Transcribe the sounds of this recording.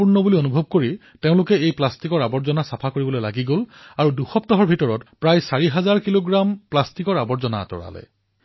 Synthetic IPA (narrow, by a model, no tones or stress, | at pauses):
puɹnɔbulionubʱɔb̚koɹi | teʊ̃lʊkɛejplastikɔɹabɔɹzɔnasapʰakoɹibɔlojlaɡiɡolaɹuduxɔp̚tɔɦɔɹbʱitɔɹɔtpɹajsaɹiɦazaɹkiloɡɹamplastikɔɹabɔɹzɔna̰tɔ̰ɹa̰lɛ̰